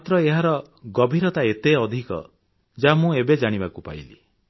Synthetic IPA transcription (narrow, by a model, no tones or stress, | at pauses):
mat̪ɾɔeɦaɾɔ | ɡɔbʱiɾɔt̪aet̪eɔd̪ʱikɔ̰ | d͡ʒamũebed͡ʒaɽ̃ibakupa̰j̰lḭ